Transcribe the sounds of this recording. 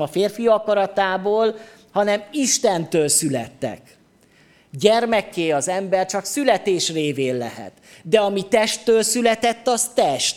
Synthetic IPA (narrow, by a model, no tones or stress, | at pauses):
ɒfeːrfiɒkɒɾɒt̪aːboːl | hɒnɛmiʃt̪ɛnt̪øːlsylɛ̰t̪ːɛ̰k | ɟɛrmɛkːeːɒzɛmbɛrt͡ʃɒksylɛt̪eːʃreːveːnlɛ̰ɦɛ̰t̪d̪ɛɒmit̪ɛʃt̪ːøːlsylɛt̪ɛt̪ːɒst̪ɛʃt̪